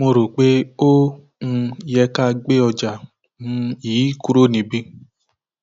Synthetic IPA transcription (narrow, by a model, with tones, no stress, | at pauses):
mo˧ɾo˨k͡pe˦õ˦˧ | jɛ˧ka˦˧ɡ͡be˦ɔ˧d͡ʒa˨ | nũ˦jiː˨˦ku˦ɾo˦˨nĩ˧bĩ˦